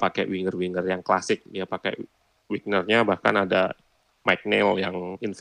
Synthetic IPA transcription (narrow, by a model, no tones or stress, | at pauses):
pakɛ̰wiŋərwiŋərjaŋklasɪk̚diapakɛ̰ | wik̚nərɲabahka̰nada | maik̚nɛljaŋinf